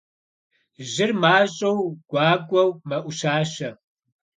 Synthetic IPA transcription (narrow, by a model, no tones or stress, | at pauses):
ʒɪrmaːɕʼɐwɡ̥ʷaːɡʷʼɐwmɐʔʷʊʃaːʃɐ